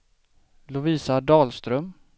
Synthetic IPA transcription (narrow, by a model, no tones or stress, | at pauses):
lʊviːsad̪ɑːlst̪ɾœm